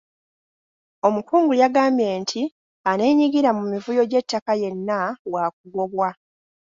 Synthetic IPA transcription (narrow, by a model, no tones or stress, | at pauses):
o̞mukuːŋɡujaɡaːmbje̞ːntʰi | ane̞ːɲiɡiɾamumivujo̞ɟe̞tːakaje̞nːawak̚uɡo̞βwa